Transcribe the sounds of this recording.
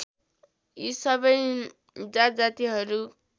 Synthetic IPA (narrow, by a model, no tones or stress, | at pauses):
isʌβʌj | d͡zad͡zat̪iɦʌɾu